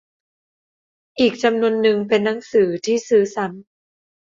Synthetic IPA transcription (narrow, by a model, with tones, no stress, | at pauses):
ʔiː˨˩k̚t͡ɕa˧mnu˧ənːɯ˧ŋpe˧nːa˩˦˥ŋsɯː˩˦t̪ʰiː˥˩sɯː˦sa˨˦m